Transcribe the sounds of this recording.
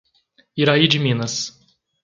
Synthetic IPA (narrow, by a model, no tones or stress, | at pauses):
iɾaid͡ʒɪmĩnɐs